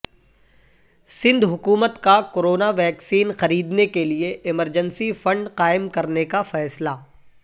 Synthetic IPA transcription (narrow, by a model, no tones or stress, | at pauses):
sɪ̃nd̪ʱɦʊkuːmət̪kakoɾoːnaʋɛːksiːnxɐɾiːd̪nekelieɪməɾd͡ʒənsifɐ̃ɳɖqaːɪmkɐɾnekafɛːslaː